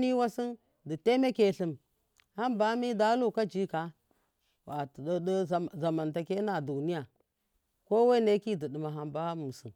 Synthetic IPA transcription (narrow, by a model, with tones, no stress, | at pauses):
ni˦wa˦si˦n | di˨te˦me˦ke˨ɬi˨m | ha˦mba˦mi˦da˦lu˦˨ka˦d͡ʒi˦ka˨ | wa˨tddə˦˨za˨ma˨nta˨ke˦na˨du˨ni˦ja˨ | ko˦we˦ne˦ki˦di˨də˨ma˨ɦa˨mba˦mu˨sɨ̰˨n